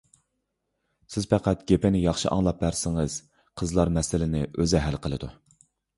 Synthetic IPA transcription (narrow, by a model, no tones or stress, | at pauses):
sɪz̥pæqʰæt̪̚ɡ̥ʲepɪnɪjɑχʃɨʔɑ̰ŋlˠɑp̚ːæɾsɪŋəz̥ | qʰəzlˠɑɾmɛsɪlɪnɪøzɛɦælqʰəlˠɨd̪u